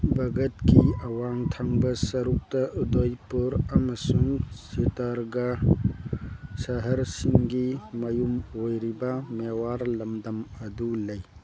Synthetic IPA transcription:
bʱɐɡɐtkiɐwaŋtʰaŋbɐsɐɾuk̚tɐʔudojpuɾɐmɐsuŋsitɐɾɡɐ | sɐɦɐɾsiŋɡimɐjumojɾibɐmewaɾlɐmdɐmɐdulɐj

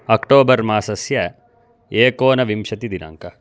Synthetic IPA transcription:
ɐkʈoːbɐɾmaːsɐsjɐ | eːkoːnɐʋimʃɐt̪id̪ina̰ːŋkɐ

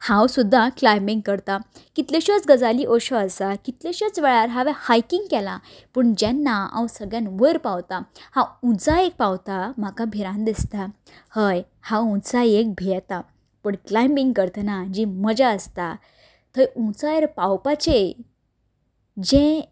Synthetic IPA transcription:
hãwsud̪ʱːãklajmbiŋɡ̚kəɾt̪akit̪leɕət͡sɡəd͡zaliʔɔɕɔəsakit̪leɕət͡sʋɛɭaɾɦaʋɛhajkiŋɡkɛlã | pəɳd͡ʑɛnːaã̰wsəɡɭjãnʋəɾpawt̪ahãũt͡sajek̚pawt̪am̤akabʱiɾãnd̪ist̪a | həj | hãwũt͡sajek̚bʱijɛt̪a | pəɳklajmbĩŋɡkəɾt̪ənad͡ʑiməd͡ʑaəst̪a | t̪ʰəjũt͡sajeɾpawpat͡ɕe | d͡ʑɛ̃

